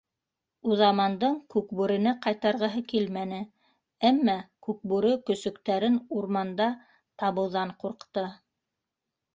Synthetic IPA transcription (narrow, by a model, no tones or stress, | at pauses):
uðɑmɑnd̪ɤɴkʉkbʉɾɘ̆nɘqɑjt̪ɑɾʁɤ̆ɦɤkilmænɘ | æmːækʉk̚bʉɾɵkɵ̆sɵ̆kt̪æɾɘnuɾmɑnd̪ɑ | t̪ɑβɤ̆wˠðɑɴquɾqt̪ɤ